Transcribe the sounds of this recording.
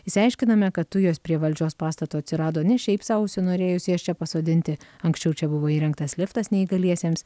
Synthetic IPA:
ɪsʲɐɪʃʲkʲɪnɐmʲɛkɐt̪tʊjoːspʲɾʲiɛʋɐlʲd͡ʒʲoːspɑːst̪ɐt̪oːɐt̪ʲsʲɪɾɑːd̪oːnʲɛʃʲɛɪpsɑʊʊsʲʊnoːɾʲeːjʊsʲɪɐʃt͡ʃʲɛpɐsoːd̪ʲɪnʲt̪ʲɪɐŋksʲt͡ʃʲɛʊt͡ʃʲɛbʊʋoːiːɾʲɛŋk̚t̪ɐslʲɪft̪ɐsnʲɛiːɡɐlʲiɛsʲeːms

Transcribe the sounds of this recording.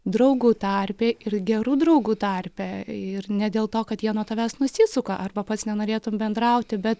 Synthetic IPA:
d̪ɾɐʊɡuːt̪ɑrʲpʲeːɪrɡʲɛɾuːd̪rɐʊɡuːt̪ɐrʲpʲɛɪrnʲɛd̪ʲeːlˠt̪oːkɐt̪jiɛnuɔt̪ɐʋʲæːsnʊsʲɪsʊkɐʔɐrbɐpɐt̪snʲɛnoːɾʲeːt̪ʊmbʲɛnd̪ɾɐʊt̪ʲɪbʲɛt̪

